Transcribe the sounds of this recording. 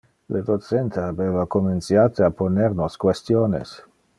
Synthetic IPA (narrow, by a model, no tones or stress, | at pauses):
led̪ot͡sent̪aabeːvakoment͡sjaːt̪eaponeɾnoskwest̪joːnḛs